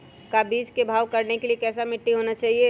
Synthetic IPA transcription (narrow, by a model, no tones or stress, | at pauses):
kabiːd͡ʒkebʱaːʋkɐɾnekeliekɛːs̬amɪʈːiɦoːnat͡ʃaːɦie